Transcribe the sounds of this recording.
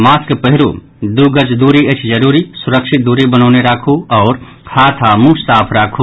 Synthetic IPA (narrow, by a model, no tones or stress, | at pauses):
maːskpəɦɪɾu | d̪uɡət͡ʃd̪uːɾiət͡ʃʰd͡ʒəɾuːɾisuɾəkʃʰit̪̚d̪uːɾibənɔːneɾaːkʰuɔːɾ | kʰaːt̪ʰamussaːpʰɾaːkʰu